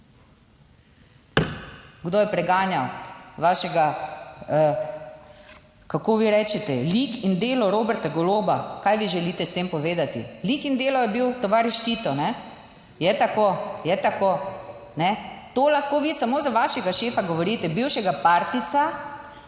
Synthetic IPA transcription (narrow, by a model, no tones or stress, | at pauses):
ɡd̪oːjɛpɾɛɡaːnjawʋaːʃɛɡa | kakoːʋiɾɛːt͡ʃɛt̪ɛlikind̪eːlɔɾoːbɛɾt̪aɡɔloːbakaːjʋiʒɛliːt̪ɛst̪eːmpɔʋeːd̪at̪ḭlikind̪eːlɔjɛbiwt̪oʋaɾɛʃt͡ʃ̪iːt̪ɔnɛ | jɛt̪akojɛt̪ako | nɛt̪oːlaxkoːʋisamoːzaʋaʃɛɡaʃeːfaɡɔʋɔɾiːt̪ɛbiwʃɛɡapaːɾt̪it̪sa